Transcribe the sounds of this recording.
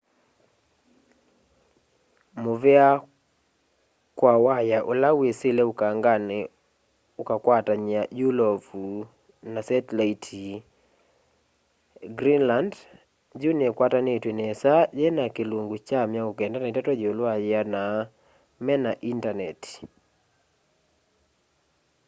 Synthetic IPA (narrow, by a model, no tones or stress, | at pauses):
movɛa | kwawajaʔolawesɪleukaŋɡan | ukakwataɲajulovu | nasɛtlaitʰi | ɡɾinland | d͡ʒunekwatanetwenɛsad͡ʒenakelwoŋɡut͡ʃamjaokɛndanatatɔd͡ʒolwajɪana | mɛnaʔintanɛt